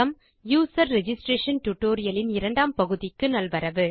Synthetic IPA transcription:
ɐm | juːsɐɾːɛd͡ʒɪsʈɾeːʂɐnʈʊʈːoːɾɪjɐlɪnɪɾɐɳɖaːmpɐɣɯðɪkːɯnɐlʋɐɾɐʋɯ

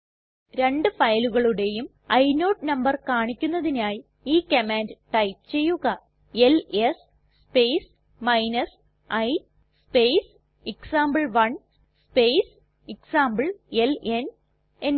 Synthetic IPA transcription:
ɾe̞ɳɖɨfɐjluɣɐɭuɽe̞jum | ɐjnoːʈnɐmbɐrkaːɳikʲːunːɐðinaːji | iːkemaːndɨʈɐjpt͡ɕe̞jːuɣɐ | eles | speːjs | mɐjnɐs | ɐj | spejs | iksaːmbɐɭʋɐɳ | spejs | iksaːmbɨɭe̞len | en

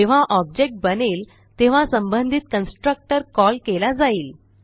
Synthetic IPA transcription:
eʋ̤aʔɔb̚d͡ʑek̚ʈ̚bənel | t̪eʋ̤asəmbənd̪ʱit̪̚kənsʈɾək̚ʈəɾkɔlkelad͡zaiːl

